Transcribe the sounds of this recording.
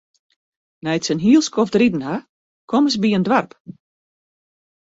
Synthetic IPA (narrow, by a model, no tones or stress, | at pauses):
nɛjtsənɦiəlˠskʰɔfdridn̩ha | kʰɔməs̬biəndʋarp